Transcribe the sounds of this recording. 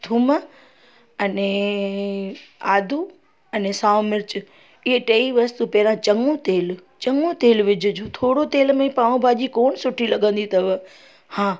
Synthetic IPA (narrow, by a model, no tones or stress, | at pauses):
t̪ʰʊm | ɐne | aːd̪ʱu | ɐnesaːʋmɪɾt͡ʃ | ɪɦeʈeːiʋɐst̪upɛɦɾãt͡ɕɐŋũt̪eːlt͡ɕəŋũt̪eːlʋɪd͡ʑʱʊd͡ʑot̪ʰoːɽot̪eːlmẽpaːũbʱaːʄikoːɳsʊʈʰilɐɠə̃nd̪it̪ɐʋə | hãː